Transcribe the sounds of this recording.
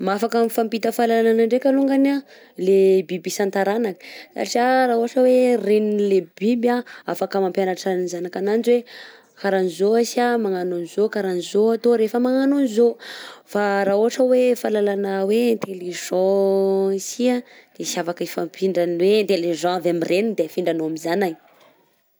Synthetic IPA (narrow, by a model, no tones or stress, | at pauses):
mafakamifampit̪əfalalananaɳɖ͡ʐekaluŋɡana | lebibisant̪aɾanakə̥sa̰ʈ͡ʂiaɾaɦoaʈ͡ʂəwerenilebibaafakəmampjanaʈ͡ʂanizanakanand͡ʒiwe | kaɾanizoasamaŋanonizokaɾanizoat̪oɾefəmaŋanonizofaɾauɦaʈ͡ʂəwefalalanawent̪elez̥o | isiad̪̥esavakəefampʰiɳɖ͡ʐanwent̪elezãavamirenid̪efiɳɖ͡ʐanoamizanaj